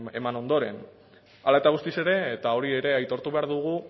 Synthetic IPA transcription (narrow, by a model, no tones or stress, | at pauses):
emano̞nd̪o̞ɾe̞n | alaet̪aɣ̞ust̪ise̞ɾe̞ːt̪ao̞ɾie̞ɾe̞ajt̪o̞ɾt̪uβe̞aɾðuɣ̞u